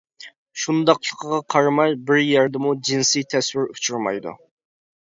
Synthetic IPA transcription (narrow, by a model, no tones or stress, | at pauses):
ʃund̪ɑqlˠəqʰəʁɑqʰɑɾmɑjbɪɾjɛɾd̪ɪmud͡ʒinsijt̪ʰɛswɪɾut͡ʃʰuɾmɑ̰jd̪ṵ